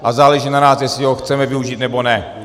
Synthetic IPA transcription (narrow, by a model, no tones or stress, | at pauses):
ʔazaːlɛʒinanaːsjɛslɪɦoxt͡sɛmɛvɪuʒiːt̪nɛbo̞nɛ